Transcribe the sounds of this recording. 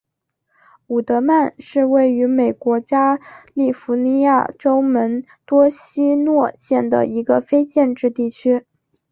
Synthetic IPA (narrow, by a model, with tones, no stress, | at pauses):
u˨˩t̪ɤ˧˥ma˥˧nʂɻ̩˥˧we˥˩ɪy˧˥me˨˩ɪkwɔ˧˥t͡ɕja˥li˥˩fu˧˥ni˧˥ja̰˥˩ʈ͡ʂo˥ʊmə˧˥n | t̪wɔ˥ɕi˥nwɔ˥˧ɕjɛ˥˩nd̪ə̰˩i˧˥ɡə˧fe˥ɪt͡ɕjɛ˥˧nʈ͡ʂɻ̩˥˧t̪i˥˩t͡ɕʰy˥